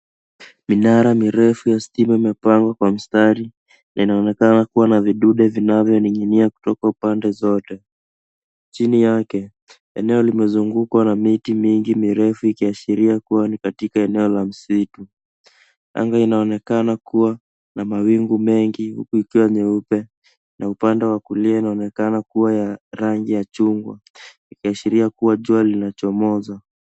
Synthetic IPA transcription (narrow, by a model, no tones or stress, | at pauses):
minaɾamiɾɛfujastimaimɛpaŋɡwakwam̩staɾi | nainaɔnɛkanakuwanaviɗuɗɛvinavjɔniɲiniaku̥tɔkaupandɛzɔtɛ | t͡ʃinijakɛ | ɛnɛɔlimɛzuŋɡukwanamitimiŋɡimiɾɛfuikiaʃiɾiakuwanikatikaɛnɛɔlam̩situ | a̰ŋɡainaɔnɛkanakuwa | namawiŋɡumɛŋɡihṵkuikiwaɲɛupɛ | naupandɛwakuliainaɔnɛkanakuwajaɾaŋɡijat͡ʃuŋɡwa̰ | ikiaʃiɾiakuwaʄualinat͡ʃɔmɔza